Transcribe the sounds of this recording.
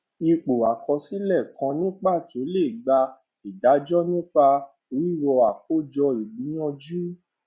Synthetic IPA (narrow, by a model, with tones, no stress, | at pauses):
i˧k͡po˨a˨kɔ˧si˦lɛ˦˨kã˧nĩ˦k͡pa˦˨to˨˦le˦˨ɡ͡ba˧ | i˨da˨˦d͡ʒɔ˦nĩ˦k͡pa˧ | ɾi˦˨wɔ˧a˨k̚o˦˨d͡ʒɔ˧i˨ɡ͡bĩ˨˦j̃ɔ̃˧d͡ʒu˦